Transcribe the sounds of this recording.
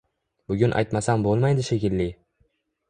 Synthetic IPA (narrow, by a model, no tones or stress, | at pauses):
bʊɡʲʊnʔa̰jt̪masambolˠmajd̪ɪʃe̞kʲɪlːɪ